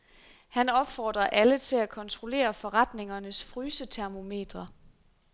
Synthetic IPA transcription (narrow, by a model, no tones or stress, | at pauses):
hænɒ̽b̥fɒːd̥ʁɐʔælət͡sʰe̝lækʰɒ̽nt͡sʰʁo̝le̝̰ːɐfɒ̽ʁɑ̈d̥ne̝ŋɐnəsfʁyːsət͡sʰæɐmo̝me̝̰ːd̥ʁɐ